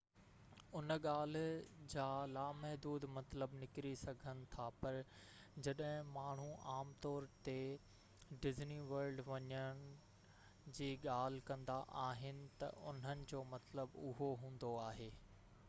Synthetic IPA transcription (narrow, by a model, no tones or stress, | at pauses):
ʊnəɠaːl̤ɪd͡ʑaːlaːmɛɦd̪uːd̪mɐt̪ləbnɪkɾisɐɡʱənɪ̆t̪ʰapɐɾ | d͡ʑɐɗɦɪ̃maːɳ̤uʔaːmt̪ɔːɾt̪e | ɖɪzniʋɐɾɖʋɐɲəñ | d͡ʑiːɠaːl̤ɪkɐ̃nd̪aʔaːɦɪnɪ̆t̪ɐ̰ʔʊn̤ənɪ̆d͡ʑoːmɐt̪ləbʊɦoɦũːn̆d̪oaːɦeː